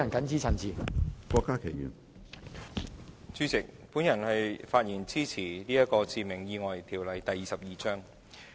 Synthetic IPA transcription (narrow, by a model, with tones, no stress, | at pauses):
ɐ˨˩nkɐ˨˥nt͡siː˥t͡sʰɐ˨˩nt͡siː˨˩kʷɔː˧kːaː˥kʰe˨˩jy̰ː˨˩n | t͡syː˧t͡sɪ˨k̚ | puː˨˥njɐ˨˩nhɐ˨jfaː˧t̚jiː˨˩nt͡siː˥t͡sʰiː˨˩liː˥jɐ˥t̚kɔː˧t͡siː˨˧mɪ˨˩ŋjiː˧ŋɔː˨jt̪ʰiː˨˩wlɐ˨˩jt̪ɐ˨jiː˨sɐ˨p̚jiː˨t͡sœː˥ŋ